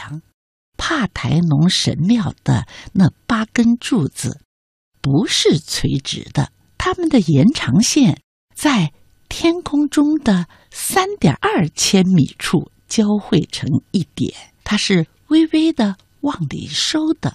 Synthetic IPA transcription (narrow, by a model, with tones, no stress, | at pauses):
ŋ | pʰa˥˩t̪ʰa˧˥ɪnʊ˧˥ŋʂə̰˧˥nmjɑ˥˩ʊd̪̥ə̰˩na˥˩pa˥kə˥nʈ͡ʂu˥˩t͡sɹ̩̰˩ | pu˧˥ʂɻ̩˥˩t͡sʰwe˧˥ɪʈ͡ʂɻ̩̰˧˩˥d̪ə̰˧ | t̪ʰa˥mə˨nd̪ə˩jɛ˧˥nʈ͡ʂʰɑ˧˥ŋɕjɛ˥˩n | t͡sa˥˩ɪ | t̪ʰjɛ˥nkʰʊ˥ŋʈ͡ʂʊ˥ŋd̪ə˨ | sa˥nt̪jɑ̰˨˩ʔɐ˞˥˩t͡ɕʰjɛ˥nmḭ˨˩ʈ͡ʂʰu˥˩ | t͡ɕjɑ˥ʊxwe˥˩ɪʈ͡ʂʰɤ̰˧˥ŋi˥˩t̪jɛ̰˨˩˦nt̪ʰa˥ʂɻ̩˥˩ | we˥ɪwe˥ɪd̪ə˨ | wɑ˥˩ŋlḭ˨˩ʂo˥ʊd̪̥ə˨